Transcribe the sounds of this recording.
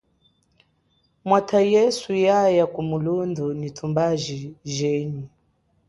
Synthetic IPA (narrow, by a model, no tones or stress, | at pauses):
mwatʰajɛsujajakumulundunitʰumbaʒiʒɛːɲu